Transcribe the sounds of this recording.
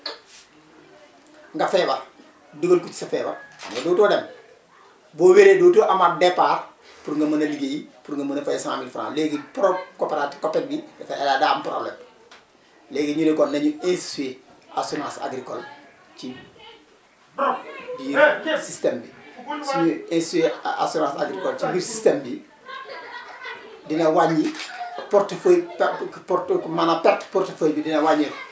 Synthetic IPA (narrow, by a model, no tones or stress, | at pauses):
ŋɡafeːba | duɡolkut͡ʃi̥safeːba̰a̰mɡadoːtoːdem | boweɾedoːtoʔamadepaːɾ | puɾŋɡamɐnɐliɡejipuɾŋɡamanafajesã̰ːmilfɾã̰ːleːɡipɾokoːpeɾati̥kopek̚biɡafeʔeladaːmpɾo̰lḛ | leːɡiɲunekonneɲuĩnssuea̰sunãːsa̰ɡɾikol | t͡ʃi | biɾsistemdisuɲuẽnssea̰sonãːsa̰ɡɾikɔlt͡ʃibiːɾsistembi | dinɐwaɲipuɾtfoippoɾmanapɛɾtpuɾtefojbidinawaɲi